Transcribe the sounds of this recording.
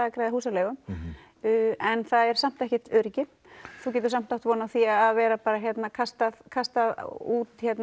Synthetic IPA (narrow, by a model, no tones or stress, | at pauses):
aakɾajðahuːsalɛːɣʏm | ɛnθaðɛɾ̥sam̥t̪ɛhcɛt̪ʏɾicɪ | θuwc̬ɛːt̪ʏɾsam̥t̪awht̪vɔːnaθiaðaðvɛːɾapaːɾaçjɛt̪nakʰast̪aðkʰast̪aðuːt̪çjɛt̪n